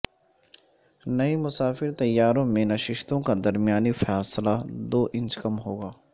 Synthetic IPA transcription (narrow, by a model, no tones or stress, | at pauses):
nɐimʊsaːfɪɾt̪ɐjːaːɾõmẽnɐʃɪʃt̪õkad̪ɐɾmɪjaːnifɛːslad̪oːʔɪ̃nt͡ʃkɐmɦoːɡaː